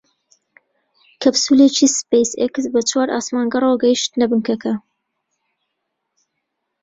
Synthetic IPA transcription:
kʰɐbsuleːt͡ʃispejseksbɐt͡ʃʰwaːɾa̰ːsmaːŋɡɐroɡɐjiʃt̪nɐbɨŋkɐkʰɐ

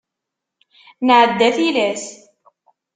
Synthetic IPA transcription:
nʕəd̪ːæθilæs

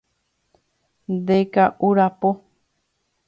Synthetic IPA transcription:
nd̪ekaʔuɾapo

